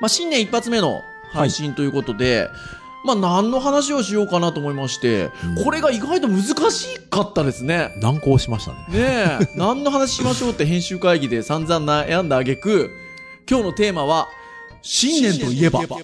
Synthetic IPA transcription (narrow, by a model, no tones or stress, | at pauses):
maɕĩnːẽipːat͡sɨme̞no̞̰ | haiɕĩnt̪o̞jɯ̟ko̞t̪o̞d̪e̞̰ | maːnãnːo̞ɦanaɕ̬io̞ɕijo̞ːkanat̪o̞ːmo̞imaɕi̥t̪e̞̰kʰo̞ɾe̞ɡaiɡait̪o̞mɯ̟zɨkaɕiːkat̪ːad̪e̞sɨne̞nãŋko̞ːɕimaɕi̥t̪a̰nene̞nnãnːo̞ɦanaɕ̬i̥ɕimaɕo̞ːt̪ːe̞ɦẽ̞ɰ̃ɕɨːkaiɡʲid̪e̞sãnd͡zãnːajãnd̪aːɡe̞kɯ̟ | kʲo̞ːno̞t̪e̞ːmaβ̞a | ɕĩnːẽ̞nt̪o̞ie̞ba̰ba̰